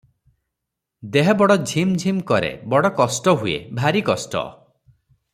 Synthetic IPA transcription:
d̪eɦɔbɔɽɔd͡ʒʱimd͡ʒʱimkɔɾḛbɔɽɔkɔsʈɔɦuḛbʱaɾikɔsʈɔ̰

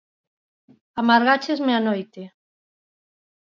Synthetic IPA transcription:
amaɾɣat͡ʃezmeanojt̪e

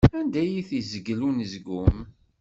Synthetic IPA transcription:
ænd̪æjiθizəɡlunzɡʊm

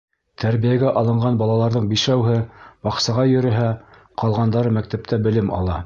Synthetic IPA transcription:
t̪ʰæɾβijæɡæʔɑlˠɤ̆ɴɢɑnbɑlˠɑlˠɑɾðɤɴbiʃæwɦɘbɑqsɑʁɑjɵ̆ɾɘ̆ɦæ | qɑlˠʁɑnd̪ɑɾɤmæk̚t̪æp̚t̪æbɘ̆lɘmɑ̰lˠɑ̰

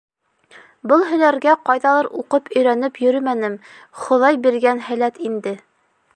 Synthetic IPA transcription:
bɤlˠɦɵ̆næɾɡæqɑjðɑlˠɤɾuqɤpʰɵ̆jɾænɘpjɵ̆ɾɵmænɘm | χŏðɑjbiɾɡænhæ̆læt̪ind̪ɘ

